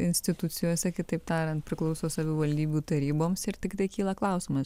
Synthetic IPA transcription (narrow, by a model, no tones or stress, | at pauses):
ɪnʲsʲt̪ʲɪt̪ʊt̪sʲɪjoːsʲɛkʲɪt̪ɐɪp̚t̪ɑːɾʲɐnt̪̚pʲɾʲɪklˠɐʊsoːsɐʋʲɪʋɐlʲd̪ʲiːbʲuːt̪ɐɾʲiːboːmsɪɾt̪ʲɪkt̪ɐɪkʲiːlˠɐklˠɐʊsʲɪmɐs